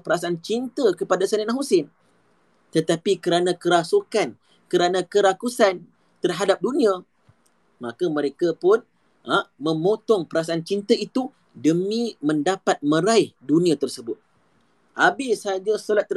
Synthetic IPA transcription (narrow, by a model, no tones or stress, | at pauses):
pəɾasaant͡ʃint̪əkəpadasanɛnãɦusɪn | t̪ət̪apikəɾanãkəɾasukan | kəɾanãkəɾakusan | t̪ərɦadap̚dunĩã | mãkamə̃ɾekapʊn | amə̃mot̪ɔŋpəɾasaant͡ʃint̪əit̪u | dəmĩmə̃ndapat̪̚mə̃ɾaɪhdunĩãt̪ərsəbʊt̪̚ | ʔabɪsad͡ʒasolat̪ːə